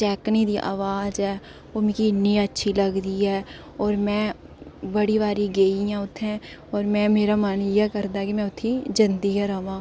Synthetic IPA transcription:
t͡ʃɛːknid̪iʔa̰ːʋaːzɦɛː | omkinĩətːʃʰiləɡd̪iɦɛː | ɔːɾmɛ̃ː | bəɽiʋaːɾiɡeːijãʊt̪ʰːɛ̃ | ɔːɾmɛ̃meːɾamanjɛkəɾd̪aɛkimɛ̃ʊt̪ʰːĩd͡ʒɐ̃nd̪iɦɛɾɐʋãː

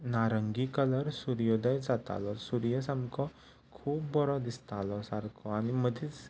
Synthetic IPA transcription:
naɾəŋɡikələɾsuɾjod̪əjd͡zat̪a̰lɔsuɾjəsamkɔ | kʰuːpbɔɾɔd̪ist̪alɔsaɾkʰɔañiməd̪ʱit͡s

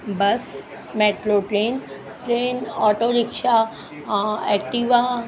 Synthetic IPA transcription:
bɐs | mɛːʈloʈɾeːn | ʈeːnɔːʈoɾɪkʃa | ɛːk̚ʈiʋa

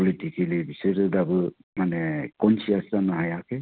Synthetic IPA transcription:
ɔlitikʰilibisɯɾɯdabɯ | manɛkɔnsiastanaɦajakʰe

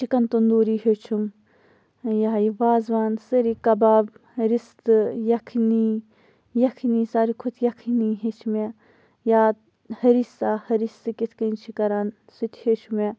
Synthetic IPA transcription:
t͡ʃʰikɐnt̪und̪uːɾiːɦet͡ʃʰum | jaːjiʋaːzʋaːnsəɾikɐbaːbɾist̪ɨjɐkʰni | jɐkʰinisaːɾikʰut̪ʰjɐkʰiniɦet͡ʃʰme | jaː | hɐɾisaːhɐɾisɨkit̪ʰkɐnt͡ʃʰikɐɾan | sut̪ʲʰhet͡ʃʰume

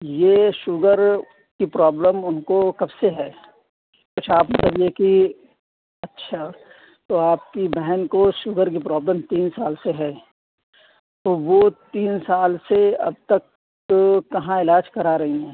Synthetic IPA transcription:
jeːʃʊɡəɾ | kipɾaːbləmʊnkokɐbseɦɛː | kʊt͡ʃʰaːpmɐt̪ləbjeki | ɐtːʃʰa | t̪oaːp̚kibɛɦənkoʃʊɡəɾkipɾaːbləmt̪iːnsaːlseɦɛː | t̪oːʋot̪iːnsaːlseɐ̰b̚t̪ɐk | kɐɦãɪlaːd͡ʒkɐɾaɾɐɦiɦɛ̃ː

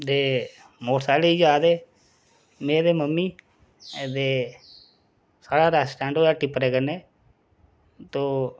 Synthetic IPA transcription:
d̪eː | moːʈsaːleːid͡ʒaːd̪eː | mẽːd̪eːməmːiː | t̪eː | saːɽaːɾɛːsʈɛ̃ːɳɖoːjaːʈɪpɾeːkəneː | t̪oː

